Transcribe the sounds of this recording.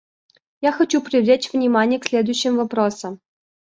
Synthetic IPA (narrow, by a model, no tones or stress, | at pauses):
jaxɐt͡ɕupɾʲɪvlʲet͡ɕvnʲimanʲɪjəksʲlʲed̪ʊjɕːɪmvɐpɾosə̆m